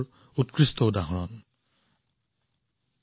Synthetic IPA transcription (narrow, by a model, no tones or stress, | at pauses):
ɹ | utkɹistɔwdaɦɔɹɔn